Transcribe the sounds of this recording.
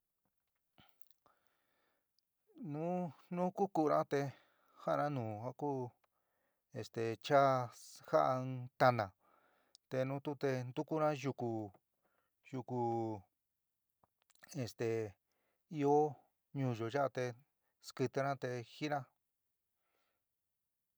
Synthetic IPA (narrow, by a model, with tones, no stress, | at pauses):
nũ˦nũ˦ku˦ku˧ɾã˦t̪e˧ | ha˦ʔnã˦nũː˨a˦ku˦ | e˨st̪e˨t͡ʃa˦ha˦ʔa˧t̪a˧nã˨ | t̪e˧nũ˧˦t̪u˦t̪e˧nd̪u˦ku˦nã˦ʒu˧ku˧ | ju˧ku˧ | e˨st̪e˨ | i˧o˦ | ɲũː˧˨ʒo˨ʒa˦ʔa˧t̪e˧ | skɨ˧t̪ɨ˧ɾã˦t̪e˧hi˦nã˦